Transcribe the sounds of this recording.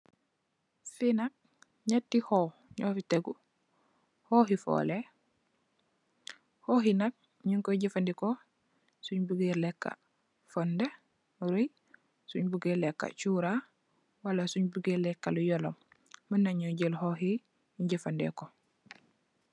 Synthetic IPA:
finak̚ | ɲatːihɔː | ɲɔːfiteɡu | hoɦifɔ̰le | hoɦinak̚ | ɲuŋkoɟifandikɔ | suɲbuɡeɾlɛkːa̰ | fɔnde | ɾuj | suɲbuɡelɛkːa̰t͡ʃuɾa | walasuɲbuɡelɛkːalujɔlɔmː | ənːaɲɔɟelhoɦi | ɟefandɛ̰ko

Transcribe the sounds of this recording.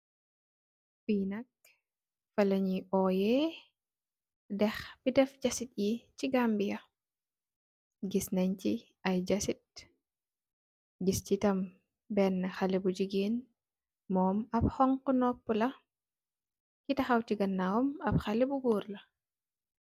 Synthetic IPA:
fiːnɐk̚ | fɐlɐɲiʔɔːjɛ | dɛxbidɛfɟɐsit̚jiciɡambijɐ | ɡisnɐɲci | ɐjd͡ʒɐsit̚ | ɡiscitɐm | bɛnːɐxɐlɛbud͡ʒiɡeːn | mɔːmɐp̚xɔŋkunɔpːulɐ | kitɐxɐwtiɡɐnːawɔmɐp̚xɐlɛbuɡuːɾlɐ

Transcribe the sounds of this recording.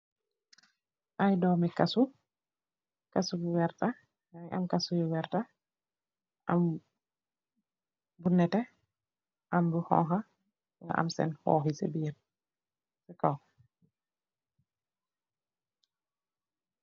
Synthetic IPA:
ʔajdɔːmikasu | kasubiwɛɾta | jʔa̰mkasubiwɛɾta | ʔam | bunɛtɛ | ʔambuhɔ̰ŋxa | wɛʔa̰msɛ̰nhɔ̰ːɦisḛbiːɾ | sɛkaw

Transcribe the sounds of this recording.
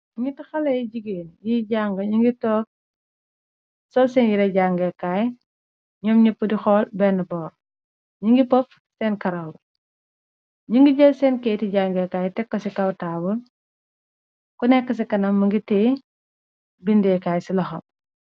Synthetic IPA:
ŋɡitixɐlɐjiɟiɡeːnjiɟaŋɡɐɲiŋɡitɔːk̚ | sɔlsɛnjiɾɛɟaŋɡɛkaːj | ɲɔmɲɐpːudixɔːlbɛnːɐbɔːɾ | ɲiŋɡipɔf | sɛːnkɐɾɐw | ɲiŋɡiɟɐlsɛːnkɛjtiɟaːŋɡɛkaːjtɛkːɐsikɐwtaːbul | kunɛkːɐs̬ikɐnɐmːɐŋɡitɛː | bindɛkaːjsilɐxɐm

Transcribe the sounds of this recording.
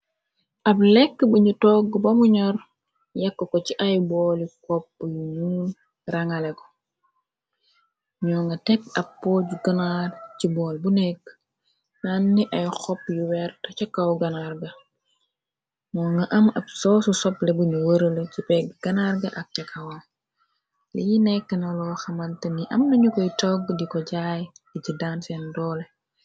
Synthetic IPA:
ʔɐblɛkːbuɲutɔːɡbɐmuɲɔr | jɐkːəkɔt͡ʃiʔajbɔːlikɔpːjujuːn | rɐŋɐlɛkɔ̥ | ɲɔːŋɡɐtɛkɐpːoːɟuɡɐnarcibɔːlbunɛkː | nanːiʔɐjxɔpjuwɛɾtɐcɐkːɐwɡɐnarɡɐ | mɔːŋɡɐʔɐmɐbsɔːsusɔplɛbuɲuwəɾələcipɛɡɡɐnaɾɡɐʔɐk̚tɛkʰːɐwɐ | lijinɛkːənɐlɔːxɐmɐntəniʔɐmnɐɲukɔjtɔɡdikɔɟaːjicidaːnsɛndɔːlɛ

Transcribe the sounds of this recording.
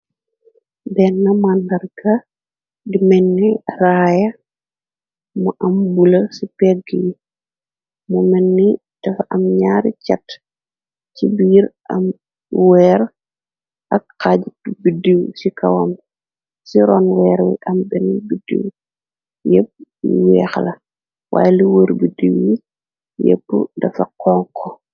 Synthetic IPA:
bɛnːɐmanːɐrɡɐ | dimɛnːiraːjɐ | muʔɐmbulɐsipɛɡiji | mumɛnːi | tɐfaʔɐmɲaɾicɐt | cibiːɾʔɐm | wɛːɾ | ʔɐkkaːɟitubidiwsikɐwɐm | siɾɔːnwɛːɾwḭʔɐmbɛnibidḭw | jep̚ːiwɛːxlɐ | wa̰ːjɛliwəːɾbidiwji | jḛpːṵdɐfɐkɔːŋkʰɔ

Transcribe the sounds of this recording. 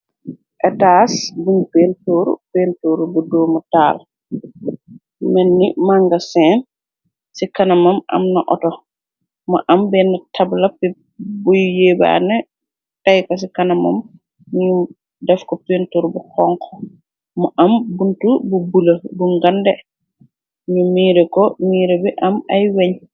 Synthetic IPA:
ʔɛtaːsbunpeːntoːɾṵpeːntoːɾubudɔːmɐta̰ːl | mɛnːimaŋɡɐsɛn | sikɐnɐmɐmɐ̰mnɐʔɔ̰tɔ | mɐ̰ʔɐmbɛnːɐtʰɐblɐpɛ | bujujeːba̰ːnɛ | tajkɔs̬ikanɐma̰m | ɲu | dɛfkɔpintuɾbukɔŋkʰɔ | muʔambuntububulɐbuŋɡandɛ | ɲumiːɾɛkɔmiːɾɛbiʔɐmajweɲ

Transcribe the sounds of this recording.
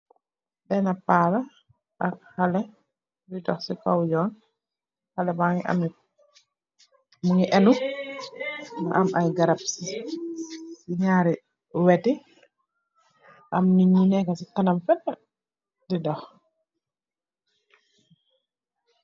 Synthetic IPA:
bɛnapaːla | ʔak̚halɛ | didɔxsikawjɔːn | halɛbaŋiʔa̰mni | muŋiʔɛnu | naʔamajɡaɾap̚si | siɲaɾɛ | wɛti | ʔamniɲinɛkasikanamfɛtːa | didɔx

